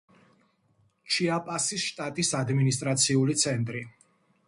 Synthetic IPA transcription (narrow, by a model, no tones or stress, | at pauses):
t͡ʃʰiapʼasisʃt̪ʼat̪ʼisad̪minist̪ʼɾat̪sʰiulit̪sʰɛnt̪ʼɾi